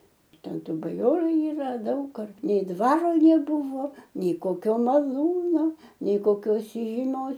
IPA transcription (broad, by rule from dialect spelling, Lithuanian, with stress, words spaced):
ˈtʲɛn ˈtuː bɐˈjoːrʊ iːˈrɐ ˈdɐʊk ɐr nʲɛɪ ˈdʋɑːroː nʲɛˈbʊʋoː nʲɛɪ koːˈkʲoː mɐˈlˠuːnoː nʲɛɪ koːˈkʲoːs iːʒʲiːˈmʲoːs